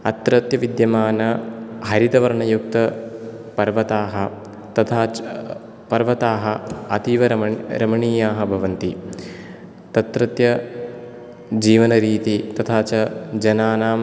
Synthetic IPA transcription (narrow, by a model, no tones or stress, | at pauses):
ɐt̪ɾɐt̪jɐʋid̪jɐmaːnɐɦɐɾit̪ɐʋɐɾɐɳɐjuk̚t̪ɐ | pɐɾʋɐt̪aːɦɐ | t̪ɐt̪ʰaː | pɐɾʋɐt̪aːɦɐɐt̪iʋɐɾɾɐmɐɳiːjaːɦɐ̆bʱɐʋɐnt̪i | t̪ɐt̪ɾɐt̪jɐ | d͡ʒiːʋɐnɐɾiːt̪it̪ɐt̪ʰaːt͡ʃɐd͡ʒɐnaːnaː